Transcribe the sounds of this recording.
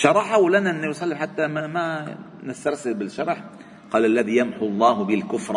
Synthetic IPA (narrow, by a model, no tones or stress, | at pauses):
ʃɑɾˤɑħawlanaʔɪnːajʊsˤɑlːɪmħat̪ːamamanɪst̪ɑɾˤsɪlbɪlʃɑɾˤɑħ | qɑːlʔalːæðijamħʊlˤːɑːhbɪlkʊfɾˤ